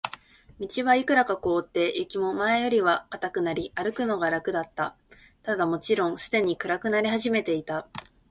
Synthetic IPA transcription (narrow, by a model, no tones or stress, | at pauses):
mʲit͡ɕiβaikɯ̟ɾakako̞ːt̪ːe̞jɯkʲimo̞maejo̞ɾʲiβakat̪akɯ̟naɾʲiʔaɾɯ̟kɯ̟no̞ɡaɾakɯ̟d̪at̪ːa | t̪ad̪amo̞t͡ɕiɾõ̞ŋ̃sɨ̥d̪e̞ɲ̟ikɯ̟ɾakɯ̟naɾʲihaʑime̞t̪e̞it̪a